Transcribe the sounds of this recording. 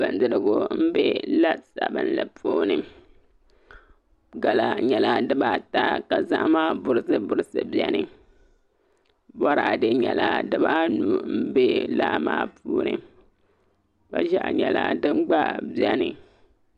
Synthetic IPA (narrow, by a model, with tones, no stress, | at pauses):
b̥a˨n˦dɨ˦ɾɨ˦ɡʊ˦m̩˦be˦la˦sa˨bɨ˦nla˨poː˦nɨ˨ | ɡa˨la˦ɲɛ˨la˦dɨ˦ba˦ta˦ka˨za˦ʔmaː˦bʊ˨ɾɨ˦sɨ˦bʊ˨ɾɨ˨sɨ˨bi˦ɛ˦nɨ˨ | bɔ˦ɾa˨dɨ˦ɲɛ˨la˦dɨ˦ba˦nu˦m̩˦be˦laː˦maː˦puː˦nɨ˨ | ka˦ʒa˦ʔɲɛ˨la̰˦dɨ˦ŋ͡mɡ͡ba˦bi˦ɛ˦nɨ˨